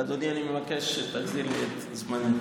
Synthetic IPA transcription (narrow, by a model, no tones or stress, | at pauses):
ad̪onianimevakeʃet̪aɡzilet̪ | zman